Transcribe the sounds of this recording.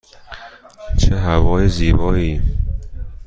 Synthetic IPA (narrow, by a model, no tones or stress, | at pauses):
t͡ʃʰeɦævɒːjeziːbɒːiː